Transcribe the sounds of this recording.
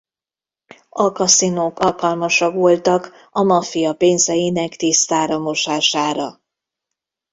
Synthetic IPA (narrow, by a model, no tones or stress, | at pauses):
ɒkɒsinoːkɒlkɒlmɒʃɒkʋo̞lt̪ɒk | ɒmɒfijɒpeːnzɛjinɛkt̪ist̪aːɾɒmoʃaːʃaːɾɒ